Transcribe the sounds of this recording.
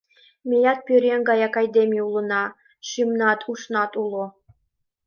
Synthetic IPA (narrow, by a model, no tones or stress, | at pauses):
mʲejɑt̪̚pʲøɾʲeŋʲɡɑjɑkɑjd̪ʲemʲiulˠɤ̆nɑ | ʃimnɑt̪ʰuʃnɑt̪ulˠo